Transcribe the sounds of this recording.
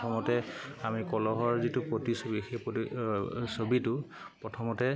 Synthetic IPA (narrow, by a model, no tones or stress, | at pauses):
ɔmɔtɛamikɔlɔɦɔɹzitupɹotisobixepisobitʊ | pɹɔtʰɔmɔtɛ